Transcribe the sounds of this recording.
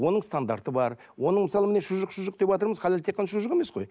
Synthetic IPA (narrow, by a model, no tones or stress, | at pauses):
o̞nəɴst̪and̪aɾt̪əbɑɾ | wo̞nəɴmɪsɑlˠəmɪne̞ʃʊʒəqʃʊʒəq̚d̪epɑt̪əɾməzqʰɑlelt̪ʰe̞qːɑnɑʃʊʒəqeme̞sqo̞̰j